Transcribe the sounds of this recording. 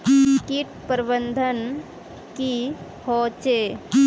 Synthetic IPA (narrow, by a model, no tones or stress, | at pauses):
kiʈpəɾbənd̪ʱən | ki | hɔːt͡ʃe